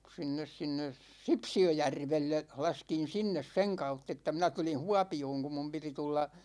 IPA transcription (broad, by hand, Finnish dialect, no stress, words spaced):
sinːes sinːes sipsiøjærʋelːe lɑskin̞ sinːes seŋ kɑutː etːæ minæ tulin̞ huɑpioːŋ kum mum piti tulːɑ